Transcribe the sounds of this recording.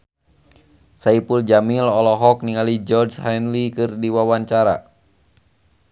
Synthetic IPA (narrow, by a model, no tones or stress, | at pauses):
saipuld͡ʒamilɔlɔɦɔk̚niŋalid͡ʒɔrshajnlikɨrdiwawaɲt͡ʃaɾa̰